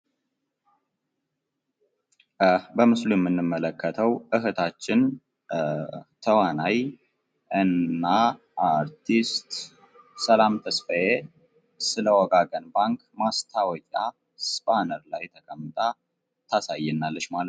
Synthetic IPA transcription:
bəmɨslujɛmːɨnːɨmːələkːət̪ʰəwʔɨɦɨt̪ʰat͡ʃːɪn | t̪ʰəwanaj | ʔɨnːa | aɾt̪ʰist̪ | səlamt̪ʰəsfəje | sɨləwɔɡaɡənbaŋkmast̪ʰawɔkʼa | spʼanəɾlajt̪ʰəkʼəmːɨt̪ʼa | t̪ʰasajːɛnːalːəʃmalət̪

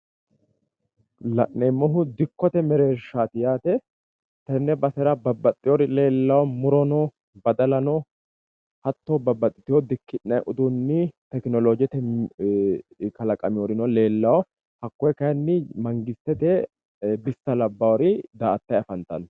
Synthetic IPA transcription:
lɐ̰ʔːɛmːɔɦʊd̪ɪkːɔt̪ɛmɛɾe̞ːʃːaːt̪ɪjaːt̪ɛ | t̪ɛnːɛbɐsɛɾɐbɐbːɐt̪ʼːɪjɔɾɪle̞ːlːɐwɔmʊɾɔnɔ | bɐd̪ɐlɐnɔ | hɐt̪ːoːbɐbːɐt̪ʼːɪt̪ɪjɔd̪ɪkːɪʔːɐjʔʊd̪unːɪt̪ɛknɔlod͡ʒɛt̪ɛ | kɐlɐkʼɐmɪjɔɾɪnɔle̞ːlːɐwɔ | hɐkːɔjkɐjnːɪmɐŋɡɪst̪ːɛt̪ɛ | bɪst̪ːɐlɐbːɐwɔɾɪd̪aːʔɐt̪ːɐjɐfɐnt̪ɐ̰n

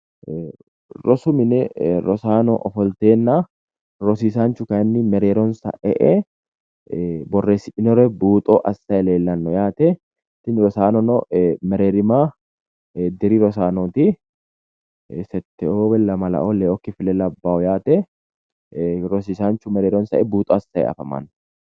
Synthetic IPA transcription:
ɾɔsʊmɪnɛɾɔsaːnɔ̰ʔɔfɔlt̪eːnːa | ɾɔsiːsaːnt͡ʃʊkɐɛnːɪmɛɾeːɾɔnsɐ̰ʔɛ̰ʔɛ | bɔrːeːsɪᶑɪnɔɾɛbuːt̪ʼoːʔɐsːɐɛleːlːɐnːɔjaːt̪ɛ | t̪ɪnɾɔsaːnɔnɔmɛɾeːɾɪmaː | d̪ɪɾiɾɔsaːnoːt̪i | sɛt̪ːɛoːbɛlːɐmɐlɐ̰ʔolɛːɔkːɪfɪlɛlːɐːbːaːɔjaːt̪ɛ | ɾɔsiːsaːnt͡ʃʊmɛɾe̞ːɾɔnsɐʔɛbuːt̪ʼɔːɐsːɐjɛ̰ɐ̰fɐmɐ̰nːɔ

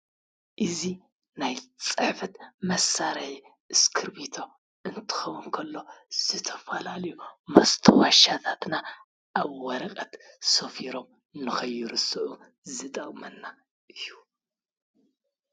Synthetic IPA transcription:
ʔɨzi | najt͡sʼɨħfɨt̪mɐsːaɾɐħi | ʔɨskʰɨɾbit̪ʰo | ʔɨnt̪ʰɨ̥xɐwunkʰɐlːo̞z̥ɨt̪ʰɐfalalɐjumɐst̪ʰɐwaʃat̪ʰat̪na | ʔaβwɐɾɐkʼɐt̪sofiɾo̞m | nɨxɐjːuɾɨsɨʔu | zɨt̪ʼɐkʼmɐnːa | ʔɨjːu

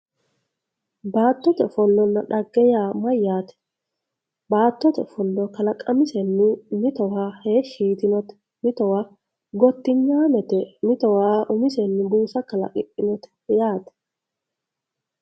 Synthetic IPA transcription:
baːt̪ːɔt̪ɛfɔlːɔnːɐᶑɐɡːɛjaːmɐjːaːt̪ɛ̥ | baːt̪ːɔt̪ɛfɔlːɔkɐlɐkʼɐmɪsɛnːɪmɪt̪ɔwaheːʃiːt̪ɪnɔt̪ɛ̥ | mɪt̪ɔwaː | ɡɔt̪ːɪɲːaːmɛt̪ɛmɪt̪ɔwaːʔʊmɪsɛnːɪbuːsɐkɐlɐ̰kʼɪʔɪnɔt̪ɛ̥ | jaːt̪ɛ̥

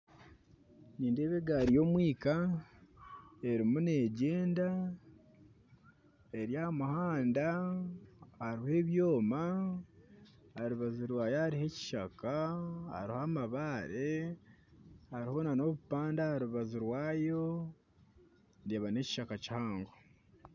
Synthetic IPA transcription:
niːndeːβeɡaɾijo̞mwiːka | e̞ɾimune̞ɟeːnda | e̞ɾjamuhaːnda | haɾihe̞ːβjo̞ːma | haɾuβazuɾwaːjohaɾihe̞ci̥ʃakaha̰ɾihamaβaːɾe | haɾiho̞nano̞βupaːndahaɾuβazuɾwaːjo̞ | ndeβane̞ci̥ʃakaci̥haːŋɡo

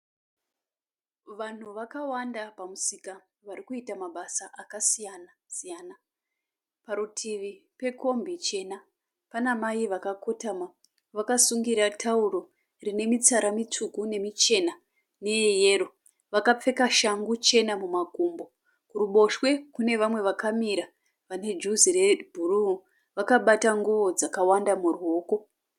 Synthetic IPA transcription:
ʋan̤uʋakawandapamusika | ʋaɾikuitamaɓasaʔakasijana | sijaːna | paɾutʰiʋipe̞ko̞mbit͡ʃe̞na | panamaiʋakakʰo̞tama | ʋakasuŋɡiɾatʰauro̞ | rine̞mit͡saɾamitukune̞mit͡ʃe̞na | ne̞eje̞ːro̞ | ʋakap͡fe̞kaʃaŋɡut͡ʃe̞namumaɡʱuːmbo̞ | kuruɓo̞ʃwe̞kune̞ʋamwe̞ʋakamiɾa | ʋane̞d͡ʒuziɾebʱuruu | ʋakaɓataŋɡuʋo̞d͡zakawandamurɦoːko̞

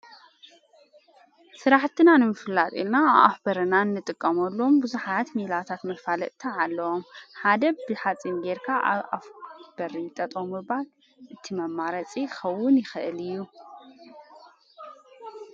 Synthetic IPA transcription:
sɨɾaħt̪ʰɨnanɨmɨfɨlːat̪ʼilnaβʔa̰fbɐɾɐnanːɨt̪ʼɨkʼːɐmɐlːo̞mbɨzuħat̪milat̪ʰat̪mɐfalɐʔt̪ʰɐʕalːɐwomħad̪ɐbɨħat͡sʼinɡeɾkʰaʔa̰βa̰fb̥ɐɾit̪ʼɐt̪ʼomːɨal | ʔɨt̪ʰimɐmːaɾɐt͡sʼixɐwːʊnjɪxɨʔɨlɨjːu

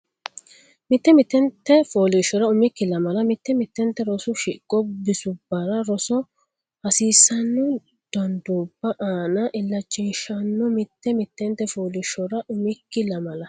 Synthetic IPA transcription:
mɪt̪ːɛmɪt̪ːɛnt̪ːɛfoːlɪʃɔɾɐʊmɪkːɪlɐmɐlɐmɪt̪ːɛmɪt̪ːɛnt̪ːɛɾɔsʊʃɪkʼːɔbɪsʊbːɐɾɐɾɔsɔ | hɐsiːsːɐnːɔ | d̪̥ɐnd̪uːb̥ːɐʔaːnɐʔɪlːɐt͡ʃʼːiːʃɐnːɔmɪt̪ːɛmɪt̪ːɛnt̪ːɛfoːlɪʃɔɾɐʔʊmɪkːɪlɐmɐlɐ

